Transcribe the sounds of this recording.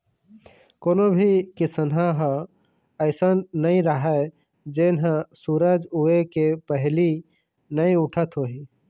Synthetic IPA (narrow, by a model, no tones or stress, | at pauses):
koːnobʱikisənɦãɦ | əɪsənːəĩɾəɦə | d͡ʒenɦə̃suɾəd͡ʒuekepəɦli | nəĩʊʈʰət̪ɦoɦi